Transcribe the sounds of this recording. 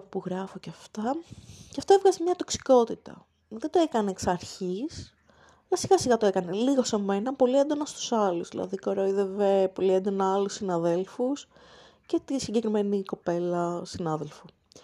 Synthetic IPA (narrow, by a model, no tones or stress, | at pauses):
puɣɾɐfoceɐft̪ɐceɐft̪o̞evɣɐzemɲɐt̪o̞ksi̥ko̞t̪it̪ɐ̰ | ðed̪oekɐneksɐɾçis | ɐlɐsiɣɐsiɣɐt̪oekɐneliɣo̞se̞me̞nɐpo̞liend̪o̞nɐst̪u̥sɐluzðḭlɐ̰ðikoɾoiðevepo̞liend̪o̞nɐɐlusinɐðe̞lfus | ce̞t̪isiɲɟe̞kɾime̞niko̞pe̞lɐsinɐðelfu